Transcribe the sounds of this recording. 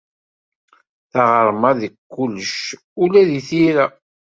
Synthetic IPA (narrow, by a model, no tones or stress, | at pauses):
θaʁəɾˤmæðəkːulːəʃ | ulæðiθiɾæ